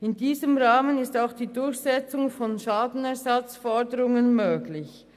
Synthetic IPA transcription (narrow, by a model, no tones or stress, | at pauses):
ɪndiːzəmʁaːmənɪstaʊxd̥iːdʊɾçz̥ɛt͡sʊŋfɔnʃaːdn̩ɛɐzat͡sfɔɐdəɾʊŋənmøːɡlɪç